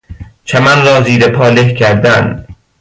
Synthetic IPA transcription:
t͡ʃʰæmænɾɒːziːɾepʰɒːlehkʰæɾd̪æn

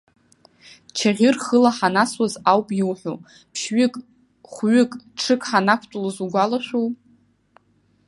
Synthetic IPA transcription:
t͡ʃʰaʁʲɪrχəlaħanaswazawpʼjiwħʷo̰ | pʰʃɥʏkʼ | χʷɥʏkʼʈ͡ʂʰɨkʼħanakʷʰtʷʼulazuɡʷalaʃᶣʷow

